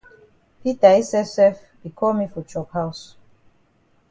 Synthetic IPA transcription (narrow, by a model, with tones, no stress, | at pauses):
pi˦ta˨i˦sɛ˦fsɛ˦f | b̥i˨kʰɔ˦mi˦fɔ˨t͡ʃɔ˨khaws